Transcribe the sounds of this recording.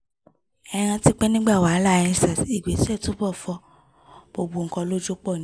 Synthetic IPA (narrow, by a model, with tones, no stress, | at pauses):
ɛ˧ɾ̃ã˧ti˦k͡pɛ˦nĩ˦ɡ͡ba˦˨wa˨˦lã˦˨˧ĩ˧sa˨i˨ɡ͡be˨˦ti˦ɛ˦˨to˨˦bɔ˦˨fɔ˧ | b̥o˨bo˨ŋ̩˨kɔ̃˧lo˦d͡ʒo˦k͡pɔ˦˨nĩ˦